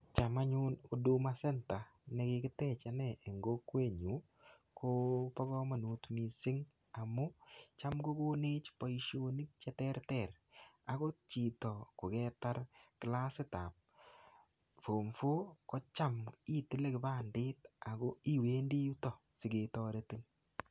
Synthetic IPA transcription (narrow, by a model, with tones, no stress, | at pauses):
t͡ʃa˨ma˦ɲʊ˦no˨du˦masɛ˦nta˨ne˦kɪ˦kɪ˦tɛ˦t͡ʃa˨nɛʔe˨ŋɡo˦kwe˦˨ɲu˨˦ | kʰo˦pɔ˦ɣɔ˦ma˨nu˨tmi˨sɪ˦ŋ | a˨mu˦t͡ʃamɡo˦ko˦ne˦t͡ʃpa˨iʃo˦ni˦k̚t͡ʃɛ˦tɛ˦ɾtɛ˨r | a˨ko˦t͡ʃi˨tɔ˨ko˨kɛ˦ta˦ɾkɪ˨la˦sɪ˦ta˨p̚ | fo˨mfo˦kɔ˦t͡ʃa˦mi˦tɪ˦le˦kɪ˨baː˦˨ndɪ˦ta˨ɡo˦i˦weː˦ndi˦u˦tɔ˨ | sɪ˨ɡe˨tɔ˦ɾe˦ti˦n